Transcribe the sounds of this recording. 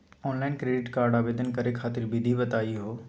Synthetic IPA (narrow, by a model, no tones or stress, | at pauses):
ɔːnlaːɪnkɾeːɖɪʈkaːɾɖaːbeːd̪ənkɐɾekʰaːt̪ɪɾbɪd̪ʱibɐt̪aːiɦoː